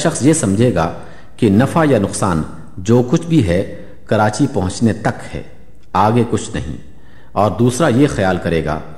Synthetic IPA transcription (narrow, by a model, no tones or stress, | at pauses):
ʃɐxsjesɐ̃md͡ʒʱeːɡaː | kinɐfajanʊqsaːn | d͡ʒoːkʊt͡ʃʰbʱiɦɛ | kɐɾaːt͡ʃipɐɦʊ̃t͡ʃnet̪ɐkhɛ̰ː | aːɡekʊt͡ʃʰnɐɦḭ̃ː | ɔːɾd̪uːsɾajexɐjaːlkɐɾeːɡa̰ː